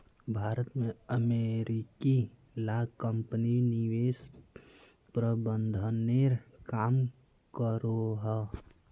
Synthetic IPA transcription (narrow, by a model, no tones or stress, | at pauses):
bʱaːɾət̪mẽəmeɾiki | lakəmpəniniʋes | pɾəbənd̪ʱəneɾkaːm | kəɾoɦɛ